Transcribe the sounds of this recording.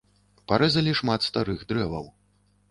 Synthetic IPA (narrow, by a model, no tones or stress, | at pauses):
paɾɛzɐlʲiʂmat̪st̪aɾɨɣd̪ɾɛvɐ̰w